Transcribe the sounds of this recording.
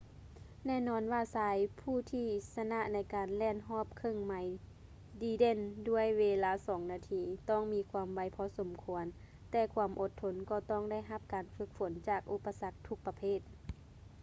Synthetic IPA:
nɛː˧˩˨nɔː˧˥nwaː˧˩saː˨˦jpʰuː˧˥˩t̪ʰiː˧˩sa˧na˧ʔna˧˥jkaː˨nlɛː˧˨nɦɔː˧˥˩p̚kʰɤ˧˨ŋma˨˦j | diː˧˦de˧˥˨ndu˧˥˩əjʋeː˧laː˧˩sɔː˩˦ŋnaː˧t̪ʰiː˧t̪ɔː˧˥˩ŋmiː˧˥kʰwu˧˦mʋa˨˦jpʰɔː˧˥so˨˦mkʰu˧ən | t̪ɛː˧˩kʰwuː˧˦mʔo˧˦t̪ʰːo˧˦nkɔː˧˩t̪ɔː˧˩˨ŋda˧˥˩jɦa˧˦p̚kaː˨nfɯ˧˥k̚fo˨˦nt͡ɕaː˧˩k̚ʔu˧˥pːa˧sa˧˥k̚t̪ʰu˧˥k̚pa˧pʰeː˧˥˨t̪̚

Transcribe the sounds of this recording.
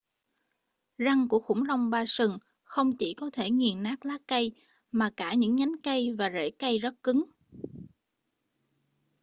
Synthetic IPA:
za˧ŋku˧˩əxʊ̰˧˩ŋ͡mla˧wŋ͡mɓaː˧sɨ˨˩ŋ | xə˧wŋ͡mt͡ɕi˧˩kɔ˨˦t̪ʰe˧˩ŋi˨˩ənnaː˦˥k̚laː˦˥ka˧j | maː˨˩kaː˧˩ɲɨ̰˧˥ŋɲa˨˦jŋka˧jvaː˨˩zḛ˧˩ka˧jzə˦˥t̚kɨ˨˦ŋ

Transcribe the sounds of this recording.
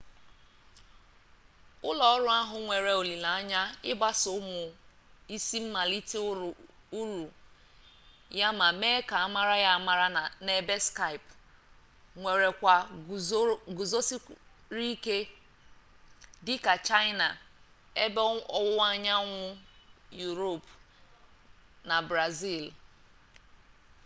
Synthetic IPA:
ʊ˦lɔ˨ɔ˦ɾʊ˦a˦ɦʊ˨ŋʷe˨ɾe˨o˨li˨la˨a˦ɲa˦ɪ˦ba˦sʊ˨˦mʊ˨ | i˦si˦m̩˦ma˨li˦t | u˦ɾu˨ | ja˦ma˨me˦ka˨a˦ma˦ɾa˦ja˦ma˦ɾa˦˨ne˨be˦ska˦ɪ˨p | ŋʷe˨ɾe˨kʷa˨˦ | ɡu˨zo˦si˦ | ɾi˦ke˦ | dɪ˦ka˨t͡ʃa˦ɪ˦na˨ | e˦bɔ˦ɔ˦wʊ˦a˦˨ɲa˦ŋʷʊ˦ju˨ɾo˦˨p | na˨bɾa˨zi˦˨l

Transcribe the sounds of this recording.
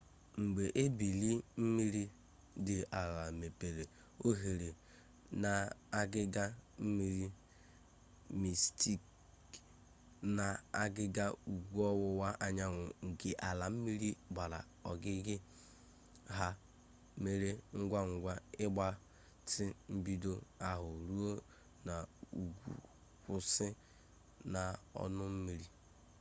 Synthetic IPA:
ŋ͡m̩˨ɡ͡be˨ʔe˦bi˨li˦m̩˦mi˦ɾi˦ | dɪ˨a˨la˨me˨pe˨ɾe˨ | o˦ɦe˨ɾe˨ | na˨a˦ɡɪ˦ɡa˦m̩˦mi˦ɾi˦ | mi˨sti˦k | na˨a˦ɡɪ˦ɡa˦u˨ɡʷu˦ɔ˦wʊ˦wa˦ʔa˨ɲa˦ŋʊ˨ŋ̩˨kɪ˦ʔa˨la˨m̩˦mi˦ɾi˦ɡ͡ba˨ɾa̰˨ | ɔ˨ɡɪ˦ɡɪ˦ | ɦa˦ | me˦ɾe˦ŋ̩˦ɡʷa˦ŋ̩˨ɡʷa˦ɪ˦ɡ͡ba˦ | tɪ˦m̩˦bi˦do˦a˨ɦʊ˨ɾu˦o˦ | na˨u˨ɡṵ˨ | kʊ˨sɪ˦ | na˨ɔ̰˦nʊ˦m̩˦mi˨ɾi˦

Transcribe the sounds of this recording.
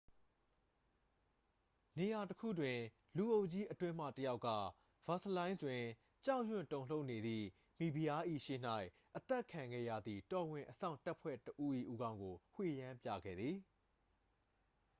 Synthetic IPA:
ne˨ja˨təkʰṵ˦˨dwɪ̃˨ | lu˨ʔo˦ʊʔt͡ɕi˦ʔətwɪ̃˦m̥ä̰˦˨təja˦ʊʔkːä̰˦˨ | v̥a˨sə˦lã˦ɪ̃nstwɪ̃˨ | t͡ɕã˦ʊ̃ɕwɪ̰̃˦˨ntõ˨ʊ̃l̥o˦ʊʔne˨d̪ðḭ˦˨ | mi˨bi˨ja˦ʔḭ˦˨ʃḛ˦˨n̥a˦˨ɪʔ | ʔət̪ɛ˦˨ʔkʰã˨ŋɡɛ̰˦˨jä̰˦˨d̪ðḭ˦˨tɔ˨wɪ̃˨ʔəsã̰˦˨ʊ̃nta˦ʔpʰwɛ̰˦˨təʔu˦ʔḭ˦˨ʔu˦ɡã˦ʊ̃ŋɡo˨hwḛ˦˨jã˦mpja̰˦˨ɡɛ̰˦˨d̪ði˨

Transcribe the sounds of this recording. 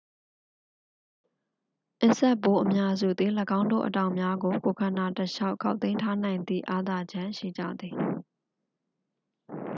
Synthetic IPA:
ʔɪ˦˨ʔsɛ˦ʔpːo˦ʔəmja˦zṵ˦˨d̪ði˨ləɡã˦ʊ̃ndo̰˦˨ʔətã˨ʊ̃mja˦ɡo˨ko˨kʰã˨na˨təʃa˦ʊʔkʰːa˦ʊt̪ẽ˦ɪ̃ntʰa˦nã˨ɪ̃nd̪ḭ˦˨ʔa˦d̪a˨d͡ʑã˦ʃḭ˦˨d͡ʑä̰˦˨d̪ði˨

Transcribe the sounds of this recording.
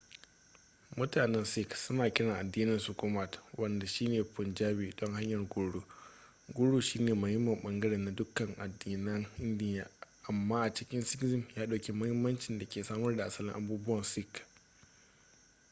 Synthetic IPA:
mʊ˦taː˨nɛ˦nsɪ˦ksʊ˦naː˨kʲɪ˦ɽɐ˨ʔa˨dːiː˦nɐ˦˨sʊ˨kʊ˦ma˨twʔɐ˦nda˨ʃiː˦neː˨pʊ˨nd͡ʒaː˦biː˨dɔ˦ŋha˦ɲjɐ˨rɡʊ˦ɽu˦ | ɡʷʊ˦ɽuː˦˨ʃiː˦neː˨mʊ˦hɪ˦mːɐ˨mɓɐ˦ŋɡɐ˦ɽeː˨nːa˨dʊ˦kɐ˨ŋʔa˨dːiː˦nɐ˦ŋʔɪ˦ndɪ˦jaː˨ʔa˨mːaː˦ʔa˨t͡ʃɪ˦kʲɪ˦nsɪ˦kzɪ˦mjaː˦ɗa˨kʲe˦mʊ˦hɪ˦mːɐ˦nt͡ʃɪ˨nda˨kʲeː˨saː˦mɐ˦rda˨ʔa˨sɐ˦lɪ̰̃˦ŋʔa˨buː˦bʊ˦wɐ˨nsɪ˦k

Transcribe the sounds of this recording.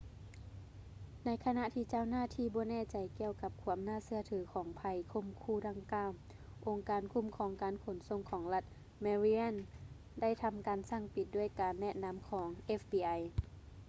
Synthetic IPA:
na˧˥jkʰa˧na˧ʔt̪ʰiː˧˨t͡ɕaː˧˨wnaː˧˥˨t̪ʰiː˧˨bɔː˧˦nɛː˧˩t͡ɕa˨jki˧əwka˧p̚kʰu˧˦əmnaː˧˥˨sɯ˧ɐt̪ʰɯː˨˦kʰɔː˩˦ŋpʰa˧jkʰo˧˥˨mkʰuː˧˩da˧˩ŋkaː˧˨w | ʔo˧ŋkaː˨˧nkʰu˧˥˨mkʰɔː˩˦ŋkaː˨nkʰo˨˦nso˧˨mkʰɔː˩˦ŋla˧t̪̚ | maː˧ɾi˧ʔa˧˥˨n | da˥˩jt̪ʰa˧mkaː˨nsa˧˥˩ŋpi˧˦t̪̚du˥˩əjkaː˨nːɛ˧˩ʔna˧˥mkʰɔː˩˦ŋʔe˧˥fbiː˨˧ʔa˧j

